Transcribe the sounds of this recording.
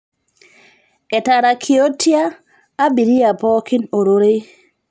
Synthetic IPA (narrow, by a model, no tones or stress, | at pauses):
ʔɛtaɾakʰiotʰiaː | biɾijapɔkinoɾoɾej